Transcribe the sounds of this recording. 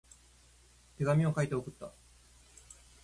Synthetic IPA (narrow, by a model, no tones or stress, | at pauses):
t̪e̞ɡamʲio̞kait̪e̞okɯ̟t̪ːa̰